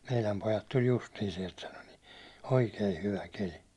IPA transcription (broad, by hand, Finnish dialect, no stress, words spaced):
meilæm pojɑt tulʲ justiː siɛlt sɑno ni oikei hyʋæ keli